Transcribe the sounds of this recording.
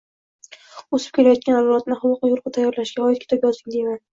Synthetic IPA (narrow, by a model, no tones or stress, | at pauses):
osɪ̥pkʲʰelajɒt̪̚kʲanazlɒt̪̚nɪhʊwʊqɑjʊɾqɨt̪ʰajːɒɾlaʃɡʲaɒjɪt̪kʲʰe̥t̪ʰɪpjɒzd̪ɪŋd̪eman